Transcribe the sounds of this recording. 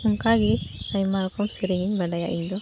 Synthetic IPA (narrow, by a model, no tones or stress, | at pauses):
uŋkaɡiaɲmaɾɔkɔmsiɾiŋiɲbaɖaja̰ʔiɲd̪ɔ